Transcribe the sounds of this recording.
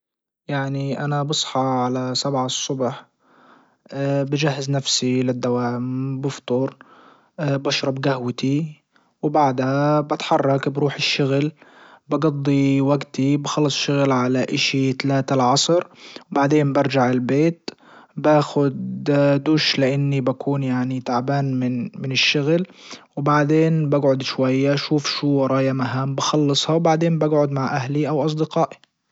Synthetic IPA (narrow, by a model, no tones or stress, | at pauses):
jaʕniʔanabɑsˤħɑʕalasabʕasˤːʊbħ | bɪd͡ʒaɦːɪznafsilɪd̪ːawaːmbɨft̪ˤʊɾ | bɑʃɾˤɑbɡahwt̪i | wbaʕd̪habɪt̪ħɑrˤːɑkbɾuːħɪʃːʊɣlbɑɡɑd̪ˤːiwaɡt̪ibxɑlːɑsˤʃʊɣlʕalaʔɪʃit̪alaːt̪alʕɑsˤɾwbaʕd̪eːnbɑɾˤd͡ʒaʕɪlbeːt̪ | baːxʊd̪d̪uːʃlɪʔɪnːibakʰuːnjaʕnit̪aʕbaːnmɪnmɪnɪʃːʊɣlwbaʕd̪eːnbaɡʕʊd̪ʃwajːaʃuːfʃuːwɾˤɑːjamaɦaːmbɑxɑlːɨsˤhɑwbaʕd̪eːnbaɡʕʊd̪maʕʔahliʔawʔɑs̬ˤd̪ɪqɑːʔi̥